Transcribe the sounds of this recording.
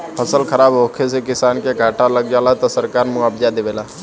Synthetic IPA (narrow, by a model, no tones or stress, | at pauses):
pʰəsəlkʰəɾaːbɦoːkʰes̬ekɪsaːnkeɡʱaːʈaləɡ̚d͡ʒaːlat̪osəɾkaːɾmʊaːbd͡ʒad̪eʋeːlaː